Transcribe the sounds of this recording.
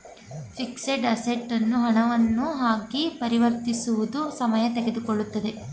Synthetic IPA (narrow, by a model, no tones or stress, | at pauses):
fikseɖɐseʈːɐnːuɦɐɳɐʋɐnːuɦaːɡipɐɾiʋɐɾt̪isuʋud̪usɐmɐjɐt̪eɡe̞d̪ukoɭːut̪ːɐd̪e̞